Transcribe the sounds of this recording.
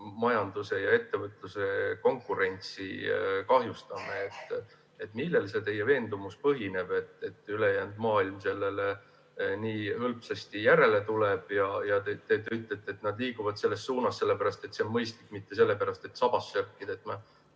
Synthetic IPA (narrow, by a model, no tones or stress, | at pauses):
mɑjɑnd̪̥use̞jɑe̞t̪ːe̞vɤt̪luse̞ko̞ŋkːˑuɾe̞nʲt̪sḭkɑɦjust̪ɑmeet̪ː | et̪ːˑmilːe̞lse̞t̪e̞jːeve̞ːnd̪umuspɤɦine̞b̥e̞t̪ːˑe̞t̪ːˑyle̞jæːnd̪̥mɑːilmse̞lːe̞le | niːɤlpsɑst̪ijæɾe̞le̞t̪uleb̥jɑjɑt̪et̪et̪yt̪ˑːet̪ːˑet̪nɑd̪liːkuvɑd̪̥se̞lːe̞stːsuːnɑsse̞lːepæɾɑst̪e̞t̪semmɤjst̪likmit̪ːe̞se̞lːe̞pæɾɑst̪e̞t̪ːsɑb̥ɑsːærkːˑid̪̥et̪mɑ